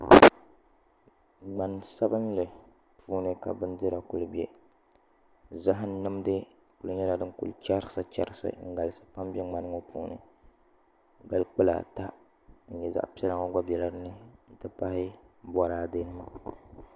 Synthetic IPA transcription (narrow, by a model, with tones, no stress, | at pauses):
ŋ͡ma˨nsa˦bɨ˦nlɨ˨ | pʰuː˦nɨ˨ka̰˨bɨ˦n˦dɨ˦ɾa˨ku˦lɨ˦bi˦ɛ˦ | za˦ɦɨ˦n˦nɨ˦mdɨ˦ | ku˨lɨ˨˦ɲɛ˦la˨dɨ˦kṵ˨lt͡ʃɛ˦ɾɨ˦˨sa˨t͡ʃɛ̰˦ɾɨ˦sɨ̰˦ŋ̩˦ɡa˨lɨ˨sɨ̥˨pa˦mbʲɛ˦ŋ͡ma˨nɨ˦ŋo˦puː˦nɨ̰˨ | ɡa˨lk͡pɨ˦la̰˨ta˦ | n̩˨jɛ˨za̰˦ʔpi˦ɛ˦la˨ŋɔ˦ɡ͡ba˦bɛ˨la˦ɾɨ˦nɨ˦n̩˦tɨ˦pa˦hɪ˦bɔ˦ɾaː˦de˦nɨ˦ma̰˨